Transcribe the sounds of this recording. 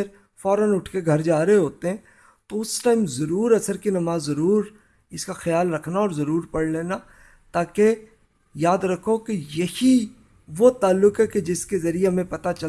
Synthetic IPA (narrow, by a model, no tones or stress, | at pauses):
eɾ | fɔːɾənʊʈʰkeɡʱɐɾd͡ʒaːɾeɦoːt̪eɦɛ̃ | t̪oʊsʈaːɪmzɐɾuːɾɐsəɾkinɐmaːzːɐɾuːɾ | ɪskaxɐjaːlɾɐkʰnaɔːɾzɐɾuːɾpɐɽleːna | t̪aːke | jaːd̪ɾɐkʰokejɐhi | ʋot̪aːlːʊkɦɛked͡ʒɪskezɐɾiemẽpɐt̪at͡ʃɐ